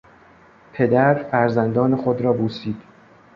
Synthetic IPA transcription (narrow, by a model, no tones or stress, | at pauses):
pʰe̞d̪æɾfæɾzænd̪ɒːnexod̪ɾɒːboːsiːd̪̥